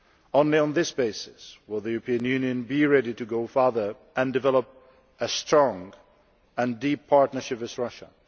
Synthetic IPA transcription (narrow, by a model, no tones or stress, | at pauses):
õʊ̃nliə̃nðɪsb̥eɪsɨswɪlˠðɨjʉɹəpʰĩɨ̃njʉ̃njɨ̃nbiɹɛɾiɾɨɡoʊfɑɹðə˞ | ʔɨ̃ndɨvɛlˠəp̚ | ɨstɹ̥ɔ̃ŋ | ɨ̃ndipʰɑɹtⁿnə˞ʃɪpɨzɹʌʃə̰